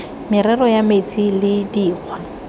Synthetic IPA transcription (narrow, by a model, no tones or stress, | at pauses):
mɪɾɛrɔjamet͡sʼilɪdiːq͡χʰwa